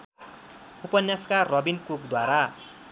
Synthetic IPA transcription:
upʌnjaskarʌbinkukd̪waɾa

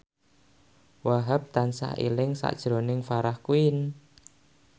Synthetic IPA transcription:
waɦap̚t̪ansa̰ʔḭlɪŋsa̰ʔd̥ʒ̥ɾonɪŋfaɾahkuɪn

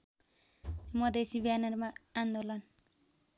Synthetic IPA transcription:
mʌd̪esibjanʌrmaand̪olʌn

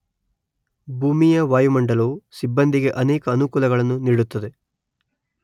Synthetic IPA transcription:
bʱuːmijɐʋaːjumɐɳɖɐlusibːɐnd̪iɡe̞ʔɐneːkɐːnukuːlɐɡɐɭɐnːuniːɽut̪ːɐd̪e̞

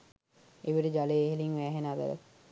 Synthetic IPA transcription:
eʋiʈəd͡ʒaleːɦeliŋʋæːɦenab̪æ̰ɾə̰

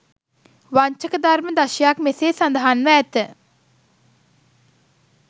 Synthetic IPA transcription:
ʋaɲt͡ʃəkəd̪aɾməd̪aʃjakmeseːsɐnd̪əɦanʋəːt̪ə

